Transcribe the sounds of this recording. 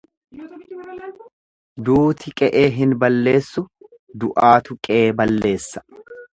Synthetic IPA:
d̪uːt̪ɪkʼɛʔeːɦɪnbɐlːe̞ːsːʊ | d̪ʊʔaːt̪ʊkʼeːbɐlːe̞ːsːɐ̥

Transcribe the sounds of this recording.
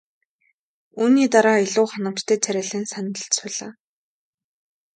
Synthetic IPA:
uːniːt̪aɾaːiɮʊːχanə̆m̥t͡ɕt̪ʰeːt͡sʰæɾʲaːɮĭːnsanə̆ɬsʊɮaː

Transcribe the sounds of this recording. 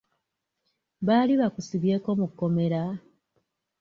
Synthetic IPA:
βaːliβakusiβje̞ːko̞mukːo̞me̞ɾa

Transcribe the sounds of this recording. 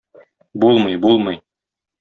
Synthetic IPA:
bulˠmɤjbulˠmɤj

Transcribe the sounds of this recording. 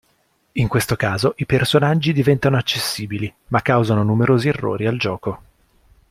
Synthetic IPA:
iŋkwest̪okaːzoʔipersonad͡ʒːid̪ivɛnt̪anoat͡ʃːesːiːbilimakːawzanonumeɾoːzierːo̰ːɾiald͡ʒɔːko

